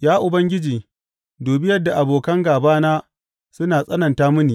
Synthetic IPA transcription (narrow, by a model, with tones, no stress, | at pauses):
jaː˦ʔʊ˨bɐ˦ŋɡʲɪ˦d͡ʒiː˨ | doː˨bɪ˦jɐ˦dːa˨ʔa˨boː˨kɐ˦ŋɡaː˨baː˦naː˦ | sʊ˦naː˨sʼɐ˦nɐ˨ntaː˦mʊ˦niː˨